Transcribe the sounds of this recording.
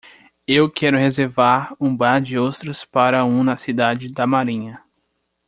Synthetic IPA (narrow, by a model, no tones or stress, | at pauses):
ewkʰɛɾʊhezeɾvaɾũbaɾd͡ʒɪowt̪ɾʊspaɾɐũnɐsid̪ad͡ʒɪd̪ɐmaɾĩɲɐ